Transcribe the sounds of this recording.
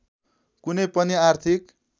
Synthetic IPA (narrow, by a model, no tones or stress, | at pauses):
kunʌjpʌniart̪ʰik